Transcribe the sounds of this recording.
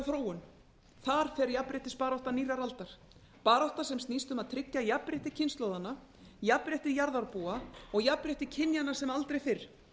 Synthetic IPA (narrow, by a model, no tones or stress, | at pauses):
θɾoːwʏn | θaɾ̥fɛɾjapɾɪht̪ɪspaːɾawht̪aniraɾalt̪aɾ̥ | paːɾawht̪asɛmst̪niːst̪ʏmaðt̪ʰɾɪcːajapɾɪht̪ɪ̥cʰɪnst̪lɔwðanːa | japɾɛht̪ɪjaɾðaɾpuːaɔɣjapɾɛht̪ɪcʰɪnjanḁsɛmalt̪ɾejfɪr̥